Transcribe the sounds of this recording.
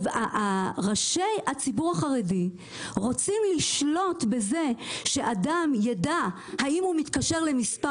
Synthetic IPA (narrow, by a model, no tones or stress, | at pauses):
vaʔaʁaʃejhat͡sibuʁaχaʁedi | ʁo̞t͡simliʃlo̞tbe̞ze̞ʃe̞ʔadamjada | haimhumit̪kaʃe̞ʁle̞mispa